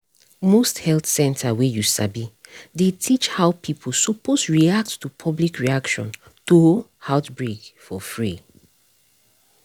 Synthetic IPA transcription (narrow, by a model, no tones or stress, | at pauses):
mosthɛlθsɛ̃ntʰawejusa̰bidetʰit͡ʃhaʊpʰipʰol̩suposɹiak̚ttupʰɔblikɹiakʃɔ̰̃n | tohaʊtbɹekfɔfɹi